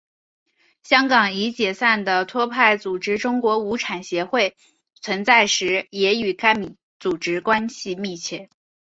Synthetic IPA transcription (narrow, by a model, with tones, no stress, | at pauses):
ɕjɑ˥ŋkɑ˨˩ŋi˧˥t͡ɕjɛ˨˩sa˥˩nd̪ə˩t̪ʰwɔ˥pʰa˥˩ɪt͡su˨˩ʈ͡ʂɻ̩˥ʈ͡ʂʊ˥ŋkwɔ˧˥u˧˥ʈ͡ʂʰa˨˩nɕjɛ˧˥xwe˥˩ɪ | t͡sʰwə˧˥nt͡sa˥˩ɪʂɻ̩˧˥jɛ˧˥y˨˩ka˥ɪmi˨˩ | t͡su˨˩ʈ͡ʂɻ̩˥kwa˥nɕi˨mi˥˧t͡ɕʰjɛ˥˩